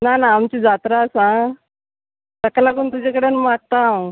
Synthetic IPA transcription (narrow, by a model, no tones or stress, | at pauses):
nanaːmt͡ɕid͡zat̪ɾasã | səkalaɡuːnt̪ud͡ʑakəɽenmaʈ̚t̪aw